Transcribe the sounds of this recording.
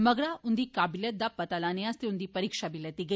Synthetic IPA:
mɐɡɽaʊnd̪ikaːbɪlet̪̚d̪apɐt̪alaːneaːst̪eʊnd̪ipɐɾiːkʃabʱilɐt̪iɡɐ

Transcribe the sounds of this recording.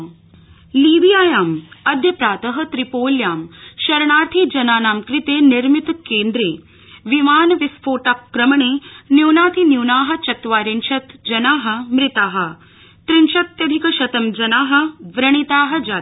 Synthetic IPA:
liːʋijaːjaːmɐd̪ʱjɐpɾaːt̪ɐɦɐ̆t̪ɾipoːljaːmʃɐɾɳaːɾt̪ʰiːd͡ʒɐnaːnaːmkɾɪt̪eːniɾmit̪keːnd̪ɾeː | ʋimaːnɐʋispʰoːʈakkɾɐmɐɳeːnjuwnaːt̪ʰinjuwnaːɦɐ̆t͡ʃɐt̪ʋaːɾinʃɐt̪d͡ʒɐnaːɦɐ̆mɾɪt̪aːɦɐ̆ | t̪ɾinʃɐt̪jɐd̪ʱikɐʃɐt̪ɐmd͡ʒɐnaːɦɐ̆ʋɾɐɳ̃it̪aːɦɐ̆d͡ʒaː

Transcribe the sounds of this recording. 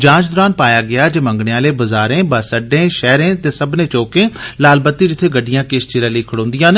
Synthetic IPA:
d͡ʒãːt͡ʃd̪ʊɾaːnpaːjaːɡɪaːd͡ʒeːmə̃ŋɡɽeːãːleːbəzaːɾẽːbəsəɖẽːʃɛːɾẽːt̪eːsəbnẽːt͡ʃoːkẽːlaːlbət̪ːiːd͡ʒɪt̪ʰːeːɡəɖːɪjãːkɪst͡ʃɪɾãːləiːkʰəɽõːnd̪ɪjãːn

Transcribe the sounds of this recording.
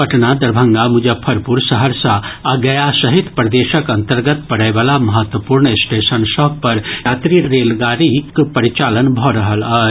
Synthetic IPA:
pɐʈnad̪ɐɾbʱə̃ŋɡamʊd͡ʒəpʰɐɾpuɾsəɦəɾsãaɡɐjaʃɐɦit̪pɾɐd̪eːʃəkɐ̃nt̪əɾɡət̪pɐɽeʋaːlamɐɦət̪wəpuːɾɳesʈeːʃənʃɔːk̚pɐɾaːt̪ɾiɾeːlɡaːɾikpɐɾit͡ʃaːlənbʱɔɾəɦələ

